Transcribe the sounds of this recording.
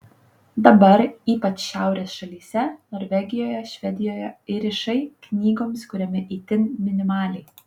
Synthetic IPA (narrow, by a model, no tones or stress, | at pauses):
d̪ɐbɐɾiːpɐt͡ʃʃʲæˑʊɾʲeːsʃɐlʲiːsʲɛnoːɾʲʋʲɛɡʲɪjoːjɛʃʲʋʲɛd̪ʲɪjoːjɛɪɾʲɪʃɐɪknʲiːɡoːmskʊɾʲɛmʲɪʔiːt̪ʲɪnmʲɪnʲɪmɑːlʲɛɪ